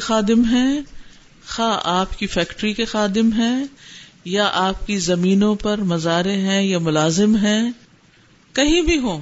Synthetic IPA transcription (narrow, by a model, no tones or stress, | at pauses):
xaːd̪ɪmɦɛ̃ː | xaːʔaːpkifɛːkʈɾikexaːd̪ɪmɦɛ̃ | jaʔaːp̚kizɐmiːnõpɐɾmɐzaːɾeɦɛ̃jamʊlaːzɪmɦɛ̃ | kɐɦĩbʱiɦõː